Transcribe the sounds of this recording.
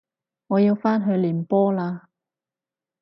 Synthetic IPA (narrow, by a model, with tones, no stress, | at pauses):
ŋɔː˨˧jiː˧wfaː˥nɦɵ˧ɥliː˨˩npɔː˥laː˧